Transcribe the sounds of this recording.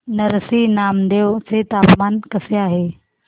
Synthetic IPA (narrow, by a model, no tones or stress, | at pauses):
nɐɾsinaːmd̪eʋt͡set̪aːpmaːnkɐseaːɦe